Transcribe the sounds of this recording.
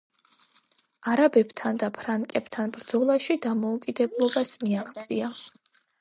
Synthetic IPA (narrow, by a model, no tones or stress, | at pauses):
aɾabɛbt̪ʰand̪apʰɾaŋkʼɛbt̪ʰanbɾd̪z̥ɔlˠaʃid̪amɔukʼid̪ɛblˠɔbasmiaʁt̪sʼia